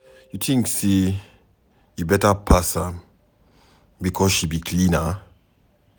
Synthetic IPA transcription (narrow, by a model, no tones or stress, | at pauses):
jutʰĩŋksi | jubɛtəpʰasa | bikʰɔzʃibikʰlĩnə